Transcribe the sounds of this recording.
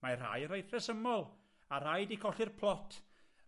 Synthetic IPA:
mara̰jɾejrɛsəmɔlˠ | aɾajdikʰɔɬɨrpʰlˠɔtʰ

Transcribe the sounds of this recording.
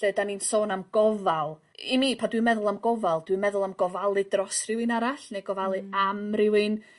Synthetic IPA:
ɛːdaninsoːnamɡɔvalˠ | imiːpʰadwɨmɛðʊlˠamɡɔvalˠd̥wɨmɛðʊlˠamɡɔvalˠɨdrɔsrɪwɨnaɾaɬnejɡɔvalˠɨamrɪwɨn

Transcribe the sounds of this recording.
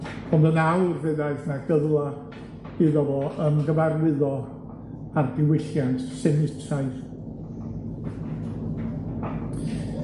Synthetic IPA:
ɔndənawrvɨðaɨθnaɡəðlˠḁ | iðɔvɔʔəmɡəvarwɪðɔ | ardɪwɪɬjantʰsɛnɪtʰaɨ

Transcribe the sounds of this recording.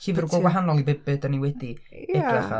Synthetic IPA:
iːvərɡɔɡwaɦanɔlˠibɪbɨdəniwɛdiɛdraχa̰

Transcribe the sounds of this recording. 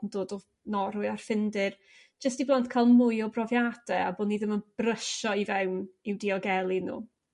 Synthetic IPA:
nd̥oːdɔ | nɔɾʊɨar̥fɪndɪr | d͡ʒ̥əstiblˠantkʰalˠmʊjɔbrɔvjad̥ɛa̰boːniðəmənb̥rəʃɔivɛwnɪwdiɔɡɛlˠinṵː

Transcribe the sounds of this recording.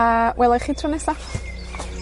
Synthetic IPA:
awʔɛlˠaχiːtʰrʊnɛsa

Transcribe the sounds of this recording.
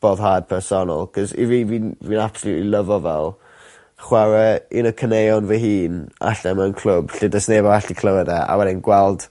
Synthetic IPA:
b̥oːðɦaːd̥̚pʰɛrsɔnɔ̰lˠkʰɔzḭviːviːnviːnab̥sɔluːtliləvɔvɛlˠ | χwaɾɛɪnəkʰənejɔnvəɦiːna̰ɬɛmənkʰl̥ʊb̥ɬɪdəsnevɔaɬikʰləwɛdɛʔa̰wɛdɪnɡwɛlˠd̥

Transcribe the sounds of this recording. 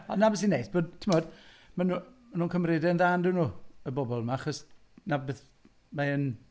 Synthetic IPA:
ɔnːabɛs̬inejtb̥oːd̚tʰɪmɔːd̥ | manumanuːnkʰəmrɪdɛnðaːndɪwnuːəbɔbɔlˠmaaχɔs | nabɛθ | maən

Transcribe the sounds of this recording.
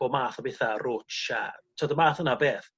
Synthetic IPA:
ɔmaːθɔbeθarʊt͡ʃa̰tʰadəmaːθənabeːθ

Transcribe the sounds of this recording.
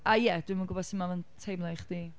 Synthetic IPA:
ajɛd̥wɪmaɡʊbɔsɪmavəntʰejmlˠajχd̥i

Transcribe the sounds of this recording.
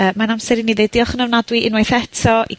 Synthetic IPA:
əːmanamsɛɾiniðejdiɔχənəwnadwiʔɪnwajθɛtʰɔʔi

